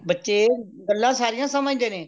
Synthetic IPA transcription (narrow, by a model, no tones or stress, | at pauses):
bətːʃeː | ɡəlːãːsaːɾɪjãːsəmãːĩd̪ẽːnẽː